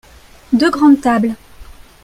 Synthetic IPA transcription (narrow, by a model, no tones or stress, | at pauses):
d̪øɡʁɑ̃d̪t̪abl